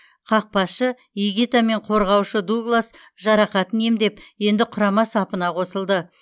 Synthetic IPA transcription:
qʰɑq̚pɑsʃə | iɡʲit̪ame̞ɴqʰo̞ɾʁɑwʃəd̪uɡlˠas | ʒɑɾɑqɑt̪əne̞md̪e̞pje̞nd̪ɪqʰʊɾɑmɑsɑpənɑqʰo̞səlˠd̪ə

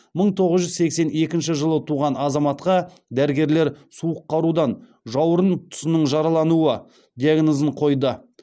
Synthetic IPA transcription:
məɴt̪ʰo̞ʁəzʒʏzse̞kse̞ne̞kʲɪnʃɪʒəlˠət̪ʰuʁɑnɑzɑmɑt̪qɑ | d̪æɾɪɡʲe̞ɾle̞ɾsuəqːɑɾud̪ɑn | ʒɑwɾənt̪ʰʊ̥sɪnəɴʒɑɾɑlˠɑnuə | d̪jaɡnəzəɴqʰo̞jd̪ə

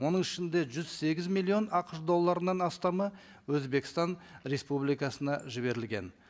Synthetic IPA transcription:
wo̞nəɴɪʃɪnd̪e̞ʒʏz̥se̞ɡʲɪzmilʲˠːio̞nɑqəʃd̪o̞lˠːɑɾənɑnɑst̪ɑmə | wɵzbe̞kʲɪ̥st̪ɑnɾe̞spublijkɑsənɑʒɪβe̞ɾɪlɡʲe̞̰n

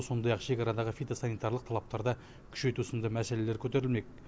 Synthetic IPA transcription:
so̞nd̪ɑjɑqʃe̞kʲɑɾɑd̪ɑʁəfijt̪asɑnijt̪ɑɾlˠəq̚t̪ʰɑlˠɑp̚t̪ɑɾd̪ɑ | kʲʰʏ̥ʃe̞jt̪usɪnd̪ɑmæsele̞leɾkʲʰɵt̪e̞ɾɪlme̞k̚

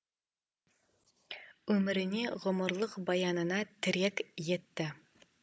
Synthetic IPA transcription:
ɵmɘ̆ɾɪ̆niʁʊ̆mʊ̆ɾlˠɤqbɑjɑnə̆nɑt̪ʰɪ̆ɾækjet̪ːɪ

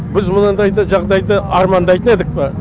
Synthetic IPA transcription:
bɪzmʊnənd̪ɑjd̪əʒɑʁd̪ɑjd̪əɑɾmɑnd̪ɑjt̪əne̞d̪ɪk̚pɪ

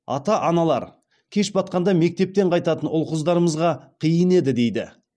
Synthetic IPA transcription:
ɑ̰t̪ɑʔɑnɑlˠɑ̰ɾ | kʲʰe̞ʃbɑt̪̚qɑnd̪ɑme̞k̚t̪e̞p̚t̪e̞ɴqʰɑjt̪ɑt̪ənʊlˠqʊzd̪ɑɾəməzʁɑqʰijəne̞d̪ɪd̪e̞jd̪ɪ̰

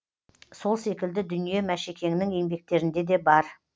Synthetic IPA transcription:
so̞lˠse̞kʲɪld̪ɪd̪ʏnije̞mæʃe̞kʲe̞ŋɪnɪŋje̞ŋbe̞k̚t̪e̞ɾɪnd̪e̞d̪e̞bɑɾ

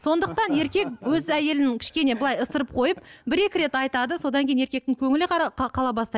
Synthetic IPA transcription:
so̞nd̪əq̚t̪ɑne̞ɾkʲe̞kwɵzæje̞lɪnɪŋkʲʰɪ̥ʃkʲe̞ne̞bəlˠɑjəsəɾəp̚qʰo̞jəp̚bɪɾe̞kʲɪɾe̞t̪ɑjt̪ɑd̪əso̞d̪ɑŋkʲe̞jneɾkʲe̞k̚t̪ɪŋkʲʰɵŋɪlɪqʰɑlˠɑbɑst̪ɑj

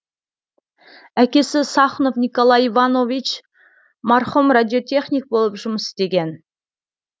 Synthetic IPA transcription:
ækʲe̞sɪsɑχno̞fnʲikolˠɑjivanovʲit͡ʃ | mɑɾχumradʲiot̪ʰʲe̞χnʲik̚bo̞lˠəpʒʊməst̪e̞ɡʲe̞n

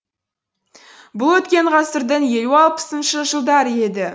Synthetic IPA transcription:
bʊlˠwɵt̪kʲe̞ɴʁɑsəɾd̪ənje̞luɑlˠpə̥sənʃəʒəlˠd̪ɑɾəe̞d̪ɪ

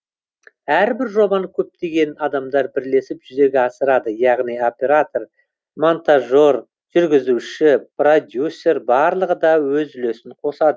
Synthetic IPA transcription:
æɾbɪɾʒo̞bɑnəkʲʰɵp̚t̪e̞ɡʲe̞nɑd̪ɑmd̪ɑɾbɪɾle̞sɪpʒʏze̞ɡʲeɑsəɾɑd̪əjɑʁnijo̞pʲe̞ɾat̪o̞r | mont̪aʒo̞r | ʒ̥ʏɾɡʲɪzuʃɪpro̞d̪ʲjusːe̞rbɑɾlˠəʁəd̪ɑwɵzʏle̞sɪɴqʰo̞sɑd̪ə

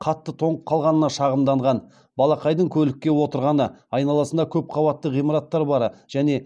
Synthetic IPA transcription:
qʰɑt̪ːət̪ʰo̞ɴəqʰːɑlˠʁɑnənɑʃɑʁəmd̪ɑɴʁɑn | bɑlˠɑqɑjd̪əɴkʲʰɵlɪkʲːe̞wo̞t̪əɾʁɑnəɑjnɑlˠɑsənd̪ɑkʲʰɵp̚qʰɑbɑt̪ːəʁijmɑɾɑt̪ːɑɾbɑɾəʒ̥æne̞

